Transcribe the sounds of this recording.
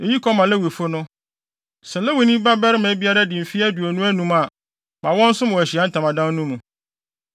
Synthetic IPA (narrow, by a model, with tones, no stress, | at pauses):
e˨ji˦kʰɔ˦mã˨lɛ˦wi˨fʊ˦nʊ̃˦ | sɛ˨lɛ˦wi˨nĩ˦ba˦bɛ˦ɾɪ˦mɛ̃˨˦bi˦a˦ɾa˦dɪ˨m̩˨fi˦æ˦du˨ɔ˨nũ˦æ˦nũ˨ma˨ | mã˨wɔ̃˦n̩˦sʊ̃˦mwɔ̃˨æ˨ɕi˨a˨˦n̩˦tʰã˨mã˨dã˦nː˦ũ˦mũ˨